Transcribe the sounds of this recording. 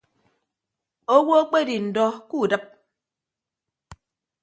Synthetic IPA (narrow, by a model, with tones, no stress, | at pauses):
o˦wo˦o˦k͡pe˦di˨n̩˨dɔ˦ku˦˨dɨ˦p̚